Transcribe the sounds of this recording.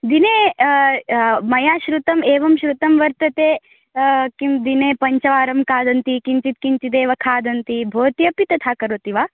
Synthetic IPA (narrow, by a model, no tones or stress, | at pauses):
d̪ineː | mɐjaːʃɾut̪ɐmeːʋɐmʃɾut̪ɐmʋɐɾt̪ɐt̪eː | kimd̪ineːpɐɲt͡ʃɐʋaːɾɐmkaːd̪ɐnt̪ikiɲt͡ʃit̪̚kiɲt͡ʃid̪eːʋɐkʰaːd̪ɐnt̪ibʱoːt̪jɐpit̪ɐt̪ʰaːkɐɾoːt̪iʋaː